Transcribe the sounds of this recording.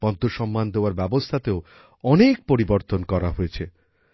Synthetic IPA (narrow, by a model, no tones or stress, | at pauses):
b̥ɔnt̪oʃɔmːand̪eoaɾbɛbost̪ʰat̪eo | ɔnek̚poɾiboɾt̪onkɔɾaɦojet͡ɕʰe